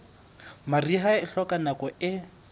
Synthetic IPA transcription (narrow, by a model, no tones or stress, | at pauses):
mariɦaɪɬɔkʼanakɔʔɪ